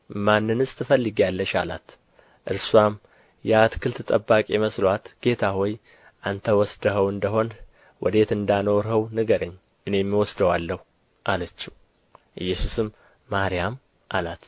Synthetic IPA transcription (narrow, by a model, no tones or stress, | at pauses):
manːɨnɨsʼt̪ʰɨfəlːɨɡialːəʃa̰la̰t̪ | ʔɨɾswam | jɛat̪kʰɨlt̪ʰɨt̪ʼəbːakʼɛməslat̪ɡ̥e̞t̪ʰahoj | ʔant̪ʰəwɔsd̪əɦəwɨnd̪əɦo̞n | wʔɔ̰d̪e̞t̪ɨnd̪ano̞ɾɦəwnɨɡəɾəɲː | ʔɨne̞mːiwɔsd̪əwalːəhu | ʔalət͡ʃːiw | ʔɨjːɛsusɨmː | aɾijam | ʔalat̪